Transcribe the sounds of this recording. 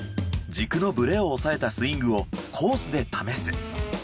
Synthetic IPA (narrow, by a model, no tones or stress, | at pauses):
d͡ʑikɯ̟no̞bɯ̟ɾe̞o̞ːsae̞t̪asɨĩŋɡɯ̟o̞kʰo̞ːsɨd̪e̞t̪ʰame̞sɨ